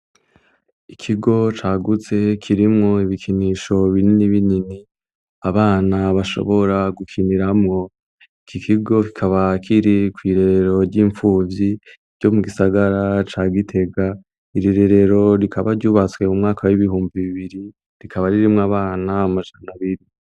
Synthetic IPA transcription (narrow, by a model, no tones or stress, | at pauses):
ikʰiɡo̞t͡ʃaɡut͡se̞kʰiɾimŋo̞iβikʰiniʃo̞βininiβinini | aβaːnaβaʃo̞̰βo̞ɾaɡukʰiniɾamŋo̞ | ikʰikʰiɡo̞ki̥kʰaβakʰiɾikwiːɾe̞ɾeɾo̞ɾɟiːɱfuːvji | ɾɟo̞muɡisaɡaɾat͡ʃaːɡitʰe̞ɡa | iɾiɾe̞ɾe̞ɾo̞ɾikʰaβaɾɟuːβat͡swe̞mumŋaːkʰawiβihuːmbiβiβiɾi | ɾikʰaβaɾiɾimŋaβaːnamaʒanaβiɾi